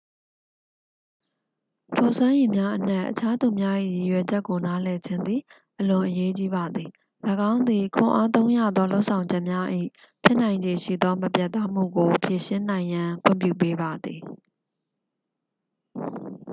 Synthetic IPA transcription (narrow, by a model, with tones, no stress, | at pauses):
tʰɔ˨swã˦je˨mja˦ʔən̥ɛ˦˨ʔət͡ɕʰa˦d̪u˨mja˦ʔḭ˦˨ji˨jwɛ˨d͡ʑɛ˦ʔkːo˨na˦lɛ˨d͡ʑɪ̃˦nd̪ði˨ | ʔəlʊ̃˨ʔəje˦t͡ɕi˦ba˨d̪ði˨ | ləɡã˦ʊ̃nd̪ði˨kʰʊ̰̃˨ʔa˦t̪õ˦ʊ̃ja̰˦˨d̪ðɔ˦lo˦ʊʔsʰã˨ʊ̃ɲd͡ʑɛ˦ʔmja˦ʔḭ˦˨ | pʰjɪ˦ʔnã˨ɪ̃ɲd͡ʑe˨ʃḭ˦˨d̪ɔ˦məpjɛ˦ʔt̪ã˦m̥ṵ˦˨ɡo˨pʰje˨ʃɪ̃˦nã˨ɪ̃jã˨kʰwɪ̰̃˦˨mpjṵ˦˨pe˦ba˨d̪ði˨